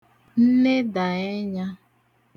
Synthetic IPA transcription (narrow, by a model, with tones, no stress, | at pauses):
n̩˦ne˦da˨e˦ɲa˦